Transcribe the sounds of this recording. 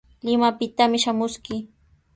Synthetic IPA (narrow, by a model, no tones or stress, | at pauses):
lɪmapɪt̪amɪʃamʊskɪ